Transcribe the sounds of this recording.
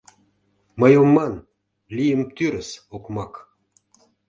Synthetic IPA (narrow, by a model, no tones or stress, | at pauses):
mɤjomːɑn | lʲijəmt̪yɾəsokmɑk